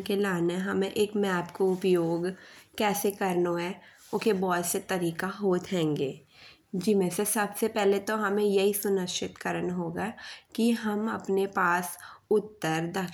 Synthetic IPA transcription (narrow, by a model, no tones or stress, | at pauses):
kelaːneɦɐmẽʔeːkmɛːpkoʊpjoːɡkɛːsekɐɾnoɦɛ | ʊkebɔːset̪ɐɾiːkaɦoːt̪ɦɛ̃ːŋɡeː | d͡ʒɪmẽsesɐbsepɛɦlet̪oɦɐmẽjɐɦisʊnəkʃɪt̪kəɾənɦoːɡaːkiɦɐmɐ̰pnepaːsʊt̪ːəɾd̪ɐk